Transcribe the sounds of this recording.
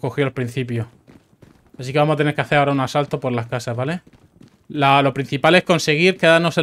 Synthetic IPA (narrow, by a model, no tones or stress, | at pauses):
ko̞xjoalpɾin̟θipjoh | asikeβamoat̪eneɾkeaθe̞ɾaoɾaunasalt̪o̞po̞ɾlahkasazβale̞ | lalo̞pɾin̟θipale̞hko̞nse̞ɣ̞iɾkeðano̞se